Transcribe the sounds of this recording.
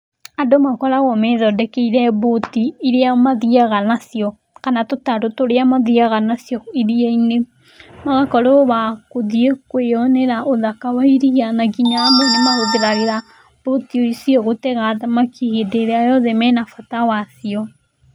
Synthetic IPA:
adomakɔɾaɣɔmɛðɔdɛkɛiɾɛβotiiɾeamaðiaɣanasjɔ | kanatotaɾotoɾeamaðiaɣanasjɔiɾieine | maɣakɔɾɔβakoðiekweɔnɛɾaʔoðakawaiɾianaɡiɲaamoɾimaɣoðeɾaɣeɾa | b̥otiɔisiɔɣotɛɣaðamakihedeɾeajɔðɛmɛnafatawasiɔ

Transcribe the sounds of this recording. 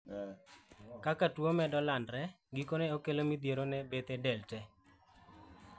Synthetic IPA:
kakatwomɛdɔlandɾɛ | ɡikonɛokelomid̪jeɾonɛbet̪ɛdɛltɛ

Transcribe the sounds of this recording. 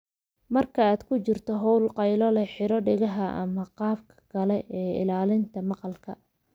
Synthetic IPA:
mɐrkʰɐaːd̪kʰʊt͡ʃɪrt̪ʰɔɦɔwlqɑjlɔlɛħɪɾɔɖɪɣɐɦɐʔɐ̰mɐqɑːbkʰɐ̥ɡɐlɛʔɛːɪ̰laːlɪnt̪ʰɐmɑqɑlkʰɐ

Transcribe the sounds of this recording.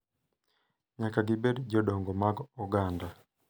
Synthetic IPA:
ɲakaɡibɛdd͡ʒɔɗɔŋɡɔmaɡuɡanda

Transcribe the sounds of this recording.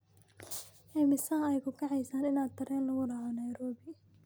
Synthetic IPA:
ʔɛːmɪsɐɦɐɛjkʰʊkʰɑʕɑjsaːnɪnaːd̪̚t̪ʰɐɾɛːnlɐɣʊɖɑʕɔnɐjɾɔːbɪ

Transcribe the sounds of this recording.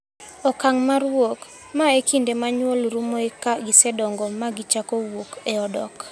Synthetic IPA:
ɔkaŋmaɾwok | maekʰindemaɲwolɾumoekaɡɪsɛdɔŋɡɔmaɡɪt͡ʃakowokeɔdɔ̰k

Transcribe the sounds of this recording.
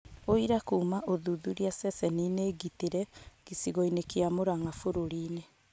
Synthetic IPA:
oiɾakuːmaʔoðuðuɾiasɛsɛnineːɡiteɾɛɡ̥isiɣoinekeamoɾaŋafoɾoɾiːne

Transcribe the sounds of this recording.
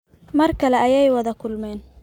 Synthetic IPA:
mɐrkʰɐlɛʔɐjɛjwɐðɐkʰʊlmɛːn

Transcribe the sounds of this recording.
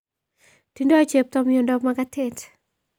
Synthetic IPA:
tindɔat͡ʃep̚t̪ɔmiondɔmaɡatʰet

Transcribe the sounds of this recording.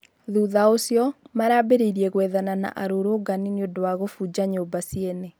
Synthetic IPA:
ðuðaosjɔmaɾaːbeɾiɾiɛɣwɛðanana̰ʔaɾoɾoːɡanineodowaɣofud͡ʑaɲoːbasiene

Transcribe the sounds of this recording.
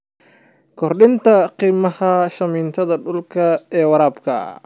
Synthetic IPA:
kʰɔrɗɪnt̪ʰɐqiːmɐhɐʃɐmiːnt̪ʰɐðɐɖʊlkʰɐɛːwɑɾaːbkʰɐ̰

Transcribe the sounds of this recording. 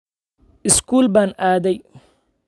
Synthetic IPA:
ʔɪskʰuːlbaːnʔaːðɛj

